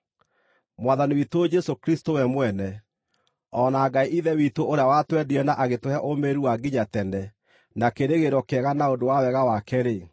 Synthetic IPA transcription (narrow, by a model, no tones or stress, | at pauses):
mwaðaniwitood͡ʒɛsokɾistowɛmwɛnɛ | ɔnaːɡaiʔiðɛwitoʔoɾeawatwɛdiɛnaʔaɣetwehɛʔomeɾuaɡiɲatɛnɛ | nakeɾeɣeɾɔkɛɣanaodowawɛɣawakɛɾe